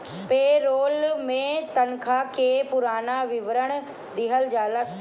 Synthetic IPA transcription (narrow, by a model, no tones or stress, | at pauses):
peːɾoːlmẽt̪ɐnkʰakʰepʊɾaːnaʋɪʋɾəɽ̃ | d̪iɦəld͡ʑaːlə